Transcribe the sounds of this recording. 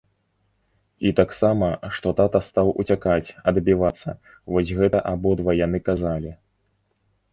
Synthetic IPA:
it̪aksamɐʂt̪ɔt̪at̪ɐst̪awʔṵt͡sʲakat͡sʲɐd̪bʲivat̪sːɐ̰ | vɔsʲɣɛt̪ɐʔabɔd̪vɐjan̪ɨkazalʲi

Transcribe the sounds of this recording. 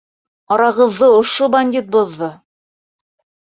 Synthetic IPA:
ɑɾɑʁɤ̆ðːɤŏʃobɐnʲd̪ʲit̪̚bŏðːɤ

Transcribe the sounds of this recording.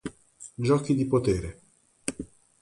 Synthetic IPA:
d͡ʒɔːkid̪ipot̪eːɾe

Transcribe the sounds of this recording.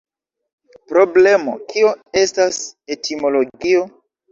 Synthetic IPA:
pɾo̞ble̞mo̞̰kio̞e̞stase̞timo̞lo̞ɡio̞

